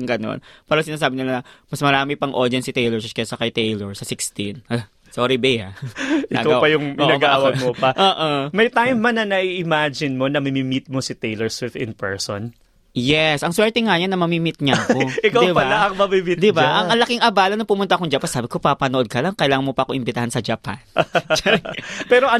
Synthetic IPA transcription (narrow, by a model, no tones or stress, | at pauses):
ŋɡɐno̞̰npɛːɾosɪnaːs̬aːbɪnɪlanɐmɐsmɐɾaːmɪpɐŋʔod̪ɐnsit̪ejlɛɹsɐskɐjasɐkɐjt̪ejlɛɹsɐsɪkst̪in | soːɾibɛja̰ɪɐɡ̪oapɐjʊŋoʔnɐɡaʔawɐɡmopɐʔoːʔomɐjt̪ajmːɐnɐnɐʔiʔɪmad͡ʒɪnmonɐmɪmɪmit̪̚mosɪt̪ejlɛɹsɛt̪ɪ̰npɛ̰ɹso̰n | jɛsʔɐŋswɛɹt̪ɛŋɐɲɐnːɐmɐmimɪt̪̚ɲɐɐkoʔɪk̪ad̪ɪbɐaaʔɐŋmɐbimɪt̪d̪ɪbʔɐŋɐlɐkiŋʔɐbaːlɐnɐpʊmʊnt̪ɐkoŋd͡ʒɐpansaːbɪko̞pɐpɐnoʔod̪̚kɐlaŋkɐjlaːŋɐnmopɐʔɐkoʔɪmbɪt̪ɐɦansɐd͡ʒɐpa̰nt͡ʃpɛɾoʔɐ